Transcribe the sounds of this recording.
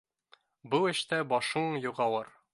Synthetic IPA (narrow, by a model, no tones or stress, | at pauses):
bɤɘ̆ʃt̪æbɒʃɤɴjuʁɑwˠɤɾ